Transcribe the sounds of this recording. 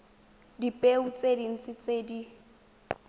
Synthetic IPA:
dipʼeut͡sʼedin̩t͡sʼɪt͡sʼedi

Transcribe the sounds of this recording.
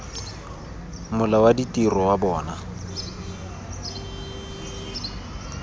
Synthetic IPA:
mʊlawaditʼirɔwabɔːna

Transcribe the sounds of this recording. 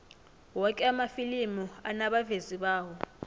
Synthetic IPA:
wɔkʼɛamafilimɔanaɓaveziɓaːɦɔ

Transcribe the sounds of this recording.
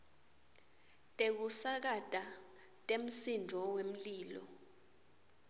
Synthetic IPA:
tʼek̬usak̬adʱʼa | tʼem̩sind͡ʒʱɔwem̩liːlɔ̰

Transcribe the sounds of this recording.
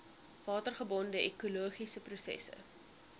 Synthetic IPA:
vɑːtərχəbɔndəʔɛkuluəχisəprusɛ̰sə̰

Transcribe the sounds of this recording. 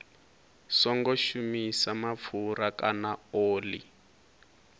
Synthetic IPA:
sɔŋɡɔʃumisamap̪fuɾakanaoːlḭ

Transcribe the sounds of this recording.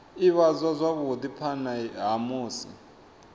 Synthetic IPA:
iβazʷazʷaβud̪ipʰanaɦamuːsḭ

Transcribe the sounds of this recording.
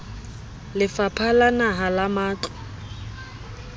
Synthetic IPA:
lɪfapʰalanaɦalamaːt͡ɬʼɔ̥

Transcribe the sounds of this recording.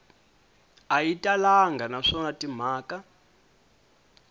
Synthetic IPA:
ajitʼalaŋɡanaʂɔnatʼim̤aːkʼa

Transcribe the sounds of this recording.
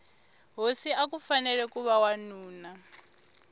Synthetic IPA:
ɦosiak̬ufanɛlɛkʼuβawanuːna

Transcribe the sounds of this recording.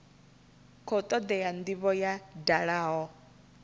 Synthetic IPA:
kʰɔt̪ʼɔd̪ɛand̪iβɔjadaɺaːɦɔ

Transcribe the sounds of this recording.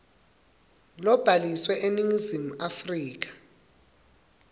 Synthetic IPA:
lɔb̥ʱaliswɛʔeniŋizimuafriːk̬ḁ

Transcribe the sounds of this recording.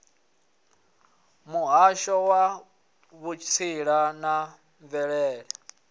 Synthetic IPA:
muɦaʃɔwa | βut͡ʃʰt͡sʰiɺana | ɱvɛɺɛːɺɛ

